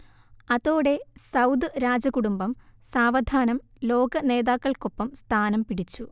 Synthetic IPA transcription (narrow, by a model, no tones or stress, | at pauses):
ɐðoːɽe̞sɐwd̪ɨɾaːd͡ʑɐkuɽumbɐmsaːʋɐd̪ʱaːnɐm | lo̞ːɡɐne̞ːðaːkːɐɭko̞pːɐmst̪ʰaːnɐmpiɽit͡ɕːu